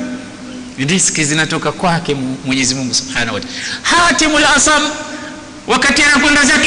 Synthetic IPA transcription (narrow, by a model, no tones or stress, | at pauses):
niskizinatɔkakwakɛmwɛɲɛzimuŋɡusub̥ħanawatahatimulaasam | wʔakatianakwɛndazak